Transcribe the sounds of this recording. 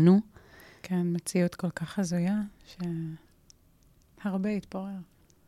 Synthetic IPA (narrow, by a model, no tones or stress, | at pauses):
nukʰenmet͡sijut̪ko̞lkaχazujaʃe | haʁbeit̪boʁeʁ